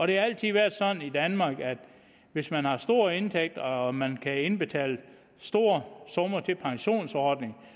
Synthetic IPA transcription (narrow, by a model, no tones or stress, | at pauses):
ɒ̽ɾ̥e̝hɑ̈æl̰t͡sʰiðˠʋæɐ̰d̥sɒ̽nn̩id̥ænmɑ̈ːɡ̥æd̥ | ʋe̝smænhɑ̈sd̥o̝ːɐ̰e̝nt͡sʰeɡ̥̚d̥ɒmænkʰæe̝nb̥e̝t͡sʰɛ̰ːlə | sd̥o̝ːɐsɔ̽mɐt͡sʰe̝lpʰɑ̈ŋɕo̝̰ːnsɒːd̥ne̝ŋ